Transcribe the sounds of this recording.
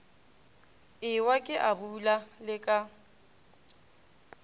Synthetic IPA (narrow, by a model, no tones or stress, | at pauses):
ɪwakʼɪʔabulalɪkʼa